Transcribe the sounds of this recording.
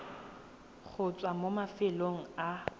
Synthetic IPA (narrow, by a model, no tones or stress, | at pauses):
ɣʰʊt͡sʼwamomafɪloŋ̩a